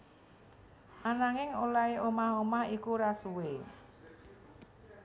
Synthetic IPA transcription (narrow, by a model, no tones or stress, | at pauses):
ʔanaŋɪŋolaeʔomahomahikuɾasuwe